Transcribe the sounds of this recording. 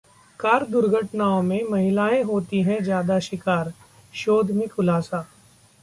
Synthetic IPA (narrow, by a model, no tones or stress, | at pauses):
kaːɾd̪ʊɾɡʱəʈnaːõmẽmɐɦɪlaːẽɦoːt̪iɦɛ̃d͡ʒjaːd̪aʃɪkaːɾ | ʃoːd̪ʱmɪ̃kʊlaːsaː